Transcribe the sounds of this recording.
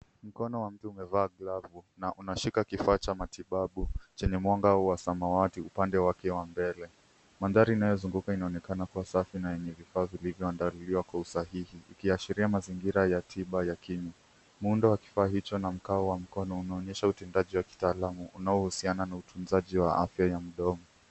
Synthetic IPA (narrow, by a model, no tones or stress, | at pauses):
m̩kɔnɔwam̩tuumɛvaːɡlavunaʔunaʃikakifaːt͡ʃamatiɓaɓut͡ʃɛɲɛmwaŋɡawasamawatiupandɛwakɛwambɛlɛ | manðaɾiːnajɔzuŋɡukainaɔnɛkanakuasafinajɛɲɛvifaːvilivjɔandaluliwakwausahihiːkiaʃiɾiamaziŋɡiɾajatʰiɓajakiɲa | muundɔwaki̥faːɦit͡ʃɔnam̩kaɔwam̩kɔnɔunaɔɲɛʃautɛndaʄiwaki̥taːlamuʔunaɔhusiananautʰunzaʄiwaʔa̰fjajam̩ɗɔmɔ